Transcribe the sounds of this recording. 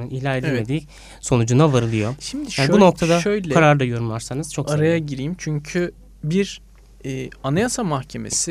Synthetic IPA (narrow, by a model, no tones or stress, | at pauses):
ɯnilʲaɾed̪ʲimmed̪iː | so̞nud͡ʒunavaɾɯlˠɯjoʃimd̪iaːnibuno̞k̚t̪ʰad̪aʃøjlʲʰaɾaɾd̪ajo̞ɾumvaɾsanɯz̥t͡ʃʰo̞kaɾajaɟiɾijimt͡ʃʰyɲcʰy | biɾ | ɛːanajasamaxcʰe̞me̞̰si